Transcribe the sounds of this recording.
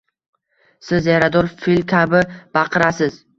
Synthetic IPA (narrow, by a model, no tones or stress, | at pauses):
sɪzjaɾad̪ɒɾfilʲkʲʰabɪb̥ɑqʰɨɾasɪz̥